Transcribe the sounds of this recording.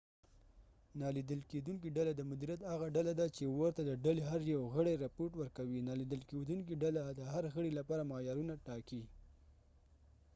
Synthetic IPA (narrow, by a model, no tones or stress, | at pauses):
nɑlid̪əlked̪uŋk̬iɖalad̪əmʊd̪iɾjat̪haɣaɖalad̪at͡ʃewəɾt̪ad̪əɖaleɦaɾjawɣəɽejɾɪpoɾʈwəɾkawinɑlid̪əlked̪uŋk̬iɖalad̪əɦaɾɣəɽilapɑɾamɑjɑɾunaʈɑki